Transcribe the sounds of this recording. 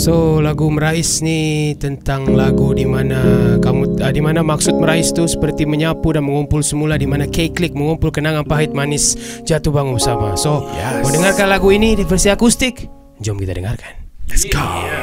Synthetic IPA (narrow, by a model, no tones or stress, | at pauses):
solaɡuməɾaɪsnit̪ənt̪aŋlaɡudimanakamuədimanamaksʊt̪̚məɾaɪst̪usə̥pərt̪iməɲapudanməŋumpʊlsəmuladimanakeklɪk̚məŋumpʊlkənaŋanpaɦɪt̪̚manɪsd͡ʒat̪ubaŋumsabasomodəŋarkanlaɡuinidfərsiakust̪ɪk | d͡ʒɔmkit̪adəŋarkanɛsɡo